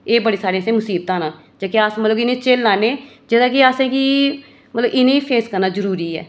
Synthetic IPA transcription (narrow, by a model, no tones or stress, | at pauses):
eːbəɽeːsaːɾẽsẽːmʊsiːb̚t̪ãːnãː | d͡ʒaːkeaːsmət̪ləbɪnẽːt͡ʃeːlːaːneː | d͡ʒɪd̪ãːkiaːsẽːki | mət̪ləbɪnẽːiːpʰeːskəɾnaːzəɾuːɾiːɛ̰ː